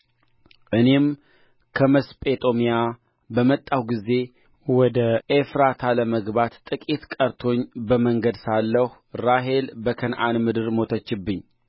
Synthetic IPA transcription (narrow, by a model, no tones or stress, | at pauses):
ʔɨne̞m | kʰəməspʼet̪ʼomija | bəmət̪ʼːawɡize̞ | wɔd̪əʔefɾat̪ʰaləməɡbat̪t̪ʼɨkʼit̪kʼəɾt̪ʰo̞ɲbəməŋɡəd̪salːəh | ɾaɦe̞lbəkʰənʔanmɨd̪ɨɾmo̞t̪ʰət͡ʃːɪbːɨɲː